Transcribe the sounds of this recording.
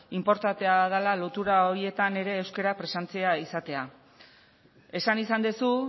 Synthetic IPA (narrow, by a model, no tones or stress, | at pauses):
impo̞ɾt̪at̪e̞að̞alalot̪uɾao̞ɾie̞t̪ane̞ɾe̞ːwske̞ɾapɾe̞sant͡seaisat̪e̞a | e̞sanisand̪esu